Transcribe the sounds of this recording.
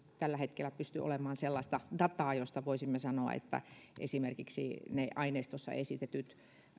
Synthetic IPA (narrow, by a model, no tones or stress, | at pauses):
t̪ælːæhet̪kelːæpyst̪yo̰lemɑːnselːɑst̪ɑdɑt̪ɑːjost̪ɑʋoisimːesɑnoɑ̰ḛt̪ːæ̰ʔḛsimerkiksḭneʔɑineist̪osːɑ̰esit̪et̪yt̪